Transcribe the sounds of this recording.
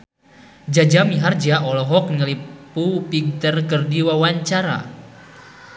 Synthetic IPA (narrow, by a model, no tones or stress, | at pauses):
d͡ʒad͡ʒamiɦard͡ʒaʔɔlɔɦɔk̚nŋəlipupiɡ̚t̪ərkərdiwawaɲt͡ʃaɾa̰